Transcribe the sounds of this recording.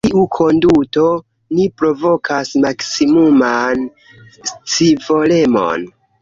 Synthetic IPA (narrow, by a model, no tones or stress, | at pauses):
iʔukʰo̞nduto̞ | nipɾo̞vo̞kʰasmaksimuman | st͡sivo̞le̞mo̞̰n